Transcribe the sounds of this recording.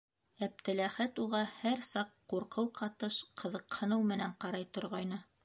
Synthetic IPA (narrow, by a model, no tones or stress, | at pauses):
æp̚t̪ɘ̆læχæt̪uʁɑhæɾsɑqːuɾqɤwqʰɑt̪ɤʃqʰɤ̆ðɤ̆qhɤ̆nɤwmɘ̆næɴqɑɾɑjt̪ŏɾʁɑjnɤ